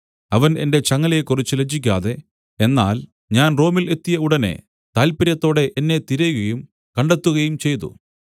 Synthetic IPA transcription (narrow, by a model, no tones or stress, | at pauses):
ɐʋɐne̞̰nde̞t͡ɕɐŋːɐljekːurit͡ɕːɨlet͡ɕːikʲːaːðe̞ | e̞nːa̰ːl | ɲaːnro̞ːmile̞t̪ːijɐuɽɐne̞̰ | t̪aːlpiɾɐt̪ːo̞ːɽe̞ʔenːe̞t̪iɾɐjuɣɐjum | kɐɳɖet̪ːuɣɐjumt͡ɕe̞jt̪̬ṵ